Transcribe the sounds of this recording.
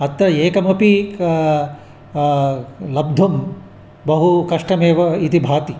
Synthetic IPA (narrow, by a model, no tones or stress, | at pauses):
ɐt̪ːɐeːkɐmɐpi | lɐb̚d̪ʱɐm | bɐɦukɐʂʈɐmeːʋɐit̪ibʱaːt̪i